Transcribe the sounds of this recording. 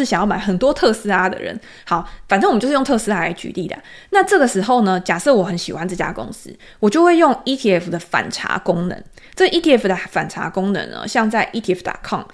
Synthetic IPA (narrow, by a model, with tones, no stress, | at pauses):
ɕɑ˨˩ŋjɑ˥˩ʊma˧˥˦ɪxə˨˩nt̪wɔ˦˥t̪ʰɤ˥˧s̩˥a˧d̪ə̰˨ɻə̰˧˦n | hɑ˨˩ʊfa˨nʈ͡ʂə˥w̩˨˦t͡ɕ̩˥˧˥jt̪ʰɤ˥˧sɨ˥a˥la̰˧ɪt͡ɕy̰˧˥li˥˩d̪ə̰˨˩ | na˥˧ʈ͡ʂɤ˥˩ɡə˩ʂɻ̩˧˥xo˥˩ʊnə˩t͡ɕja˨˩sɤ˥˩wɔ˨˩xə˧˦nɕḭ˨˩xwa˦nt͡s̩˥˩t͡ɕja̰˥kʊ̰˥ŋsɹ̩̰˥ | wɔ˨˩t͡ɕjo˥˧ʊxwe˥˧ɪjo˥˧ŋi˥t̪ʰi˥˧ɛ˥˩fd̪ə˩fa̰˨˩nʈ͡ʂʰa̰˧˥kʊ˥ŋnə̰˧˦ŋ | ʈ͡ʂə˥ɡʔi˥t̪ʰi˥˧ɛ˥˩fd̪ə˨˩fa˨˩nʈ͡ʂʰa̰˧˥kʊ˥ŋnə̰˧˥nə̰˧ɕjɑ˥˧ŋt͡sa˥˩ɪʔi˥t̪ʰi˥˧ɛ˥˩ft̪a̰˨˩kʰɑ̰˥˩ŋ